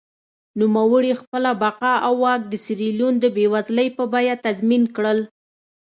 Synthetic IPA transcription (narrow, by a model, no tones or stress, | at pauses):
numawəɽixpəlabaqɑʔawːɑk̚d̪əsɪɾilund̪əbewazləjpəbɑjat̪azminkɽəl